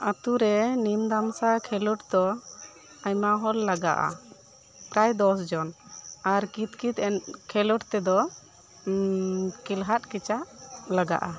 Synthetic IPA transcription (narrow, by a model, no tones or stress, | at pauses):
at̪uɾɛnimd̪amsakʰɛlɔʈd̪ɔ | ajmaɦɔlːaɡa̰ʔa̰ | pɾajd̪ɔsd͡ʒɔnaɾkit̪̚kit̪ɛnkʰɛlɔʈt̪ɛd̪ɔ | kilɦat̪̚kit͡ʃaʔlaɡa̰ʔa